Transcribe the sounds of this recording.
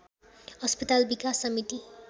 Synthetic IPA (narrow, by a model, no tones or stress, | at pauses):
hʌspʌt̪albikasːʌmit̪i